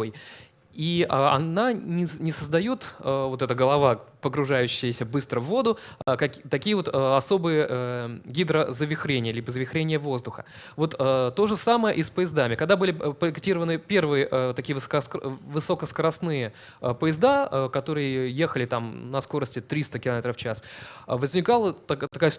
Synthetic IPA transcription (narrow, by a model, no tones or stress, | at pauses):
oj | iɐ̰nanʲɪnʲɪsəzd̪ɐjot̪ːvo̞t̪ɛt̪əɡəlˠɐvapəɡɾʊʐajʉɕːɪjəsʲəbɨst̪ɾəvːo̞d̪ʊkɐt̪ɐkʲijəvo̞t̪əɐso̞bɨjəɡʲid̪ɾəzəvʲɪxɾʲenʲɪjəlʲibəzəvʲɪxɾʲenʲɪjəvo̞zd̪ʊxə̥̰ | vo̞t̪ət̪ːo̞ʐɨsaməjəʔɪspəjɪzd̪amʲɪkɐɡ̚d̪abɨlʲɪpɾəɪktʲiɾəvənɨpʲe̞rvɨjəʔət̪ɐkʲiəvɨskskvɨsokəskəɾɐsnɨjə | pəjɪzd̪aəkɐt̪o̞ɾɨjəje̞xəlʲɪt̪amnɐsko̞ɾəsʲtʲɪt̪ɾʲist̪əkʲɪlˠɐmʲe̞t̪ɾəft͡ɕasvəzʲnʲɪkalˠət̪t̪ɐkajə